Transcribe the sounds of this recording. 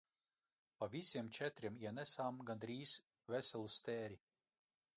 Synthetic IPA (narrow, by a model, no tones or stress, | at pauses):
pavʲisʲiɛmt͡ʃɛt̪ɾʲimiɛnɛsaːmɡand̪ɾiːs | vɛsɛlˠust̪ɛːɾʲi